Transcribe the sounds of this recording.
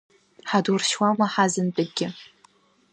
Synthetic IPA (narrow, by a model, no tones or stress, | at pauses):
ħadurʃwamaħazɨntʼɨɡʲɪ